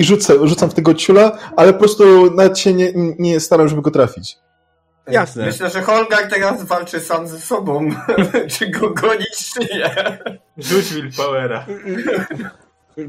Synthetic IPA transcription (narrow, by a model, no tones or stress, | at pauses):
iʐut̪sɛʐut̪samft̪ɛɡɔt͡ɕulaalɛpɔpɾɔst̪unavɛt̪ɕɛɲɛɲɛɲɛst̪aɾamʐɛbɘɡɔt̪ɾafʲit͡ɕ | jasnɛmmɘɕlɛʐɛxɔlɡaɾt̪ɛɾasvalt͡ʂɘsamzɛsɔbɔ̃mt͡ʂɨɡɔɡɔɲiʂjɛ | zud͡ʑvʲilpawɛɾa